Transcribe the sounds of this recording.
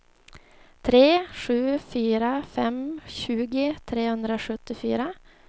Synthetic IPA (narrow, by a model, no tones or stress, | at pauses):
t̪ʰɾeːʂʉ̟ːfyːɾafɛmɕʉːɡɪt̪ʰɾeːhɵnd̪ɾaoʂɵt̪ːɪfy̰ːɾa